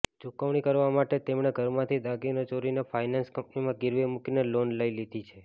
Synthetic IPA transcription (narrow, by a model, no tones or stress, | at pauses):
d͡ʒukəʋɽ̃ikəɾʋamaʈet̪emɽ̃eɡʱəɾmãt̪ʰid̪aɡinot͡ʃoɾinefʰainanskəmpnimãɡɪɾʋemukinelonləilid̪ʱit͡ʃʰe